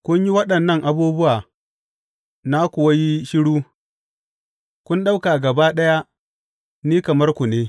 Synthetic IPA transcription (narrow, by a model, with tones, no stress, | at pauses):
kʷʊ˦ɲji˦wɐ˦ɗɐ˨nːɐ˦˨ŋʔa˨buː˦bʊ˦waː˨ | na˦kʷʊ˨wɐ˦ji˦ʃɪ˦ɽuː˦ | kʷʊ˦nɗa˦wka˨ɡɐ˨baː˦ɗɐ˦ja˦ | niː˦kɐ˨mɐ˦rkʷu˨neː˦